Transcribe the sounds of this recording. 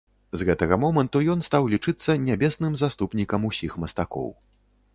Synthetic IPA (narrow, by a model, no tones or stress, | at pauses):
zɣɛt̪ɐɣɐmɔmɐnt̪ujɔn̪st̪awlʲit͡ʂɨt̪sːɐnʲabʲɛsnɨmzast̪upnʲikɐmusʲixmɐst̪akɔ̰w